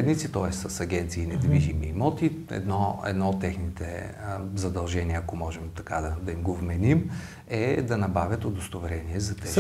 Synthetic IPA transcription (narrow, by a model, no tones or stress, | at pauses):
ɛd̪nit̪sit̪ɔɛst̪sɐsɐɡʲɛnt̪siːnɛd̪viʒimiːmɔt̪iɛ̰d̪nɔɛ̰d̪nɔot̪ːɛxnit̪ɛ̰zɐd̪ɐlˠʒɛniəɐkomɔʒɛmt̪ɐkad̪ɐd̪ɐimɡovmɛnim | ɛd̪ɐnɐbavʲət̪od̪ost̪ovɛɾɛniɛzɐt̪ɛ